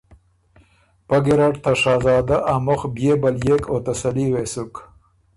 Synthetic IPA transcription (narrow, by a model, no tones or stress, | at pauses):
pɐɡiɾaʈt̪ʰaʂɑːzɑːd̪aʔamoxbjebɐljekoːt̪ɐsɐliwesuk